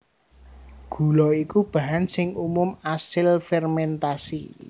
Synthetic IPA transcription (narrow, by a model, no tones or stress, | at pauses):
ɡ̥ṳlɔikub̥ä̤ɦansɪŋumʊmasɪlfɛrmɛnt̪asḭ